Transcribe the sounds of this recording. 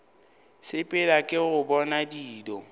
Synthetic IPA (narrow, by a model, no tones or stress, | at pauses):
sɪpʼɪlakʼɪɣʊbɔnadiːdɔ